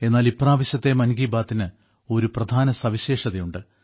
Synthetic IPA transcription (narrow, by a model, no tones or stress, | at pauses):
e̞nːaːlipːraːʋɐɕjɐt̪ːe̞mɐnɡiːbaːt̪ːinɨ | o̞ɾuprɐd̪ʱaːnɐsɐʋiɕeːʂɐðɐjuɳɖɨ